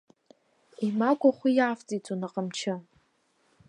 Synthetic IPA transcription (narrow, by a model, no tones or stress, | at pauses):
imakʷʼaχʷijaːft͡sʼit͡sʷʼonaqʼəmt͡ʃʰɪ